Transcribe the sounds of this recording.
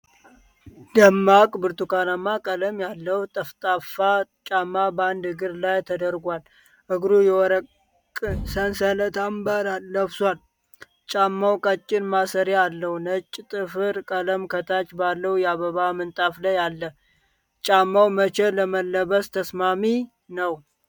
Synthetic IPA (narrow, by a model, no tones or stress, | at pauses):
d̪əmːakʼbɨɾt̪ukanamakʼələmjalːəwut̪ʼɨft̪ʼafat͡ʃʼamːaband̪ɨɡɨɾlajt̪ʰəd̪əɾɡʷal | ʔɨɡɾujɛwɔɾəkʼː | sənsələt̪ʰambəɾalːəβswal | t͡ʃʼamːawkʼət͡ʃʼːɪnmasəɾealːəhunət͡ʃʼːt̪ʼɨfɨɾkʼələmkʰət̪ʰat͡ʃbalːəwujɛaβəβamɨnt̪ʼafləjalːə | t͡ʃʼamːawmət͡ʃɛləməlːəβəst̪ʰəsmami | nəw